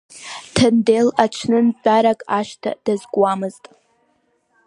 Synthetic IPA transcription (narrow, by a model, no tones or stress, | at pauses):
tʰɨndelaʈ͡ʂʷʰnɨnt͡pʷʼaɾakʼaʃtʰa̰d̥azɡʷwamɨztʼ